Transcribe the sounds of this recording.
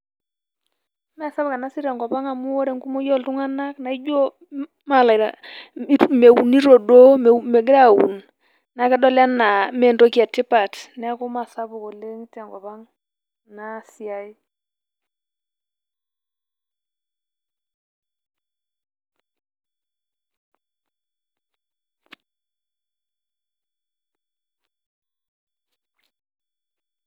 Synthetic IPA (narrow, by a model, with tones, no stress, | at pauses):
ma˦˨sa˦bka˨na˦si˦ɾɛ˨ŋɡɔ˨pa˦ŋa˨mu˦ɔ˦ɾɛ˨ŋku˦mɔ˦jɔ˦˨ltu˦ŋa˦na˦kna˨i˦d͡ʒo˦ | ma˨la˨ɾa̰˨˦ | me˨u˨ni˦ɾo˨do˦mɛ˨ɡɪ˦ɾa˦˨wṵ˨n | na˨˦kɛ˦dɔ˦la˦na˨mɛ˨ndo˦ka˨tɪ˦pa˨tnɛ˦a˦ko˦ma˨sa˦bu˨ko˨le˦ŋ˦tɛ˨ŋɡɔ˨pa˦ŋ | na˦sja˦i˦